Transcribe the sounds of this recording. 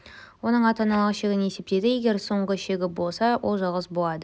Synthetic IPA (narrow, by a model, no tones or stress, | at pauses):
wo̞nəɴɑt̪ɑnɑlˠʁəʃeɡʲɪne̞se̞p̚t̪e̞d̪ɪje̞ɡʲe̞ɾso̞ɴʁəʃe̞ɡʲɪbo̞lˠsɑwʔo̞lˠʒɑlˠʁəzbolˠɑd̪ə